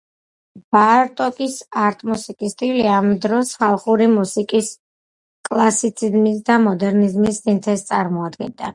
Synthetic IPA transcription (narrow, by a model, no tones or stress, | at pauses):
b̥aɾt̪ʼɔkʼisaɾt̪ʼmusikʼist̪ʼiliamd̪ɾɔsχalˠχuɾimusikʼis | kʼlˠasit̪sʰizmisd̪amɔd̪ɛɾnizmissʼint̪ʰɛst̪sʼaɾmɔad̪ɡɛ̰nd̪a̰